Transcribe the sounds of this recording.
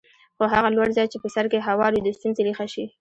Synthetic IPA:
xoɦaɣalwaɽzɑt͡ʃepəsaɾkeɦawɑɾud̪əst̪unzeɾixaʃi

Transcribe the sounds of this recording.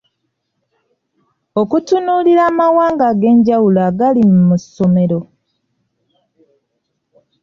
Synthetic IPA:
okutunuːliɾaːmawaːŋɡaɡe̞ːɲɟawulaːɡalimmuso̞me̞ɾo̞

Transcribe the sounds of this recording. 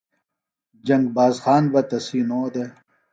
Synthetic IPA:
d͡ʑɐŋɡ̚baːzxaːnbɐt̪ɐsiːnoːd̪e

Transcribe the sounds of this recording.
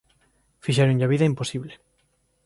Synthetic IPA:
fiʃ̬ɛɾũɲʎaβiðaimposiβle

